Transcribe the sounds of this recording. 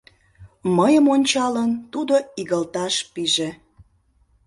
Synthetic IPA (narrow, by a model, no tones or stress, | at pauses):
məjəmonʲt͡ɕɑlənt̪ud̪oiɣəlt̪ɑʃpiʒe